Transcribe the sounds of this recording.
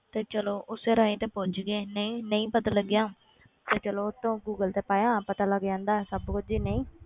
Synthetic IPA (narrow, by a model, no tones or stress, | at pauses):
t̪eːt͡ʃəloːʔʊseːɾaːĩːt̪eːpod͡ʒɡeːnəĩːnəĩːpət̪aːləɡjãː | t̪eːt͡ʃəloːt̪ːõːɡuːɡəlt̪eːpaːjãːpət̪aːləɡd͡ʒãːnd̪aːɛsəbkʊd͡ʒiːnəĩː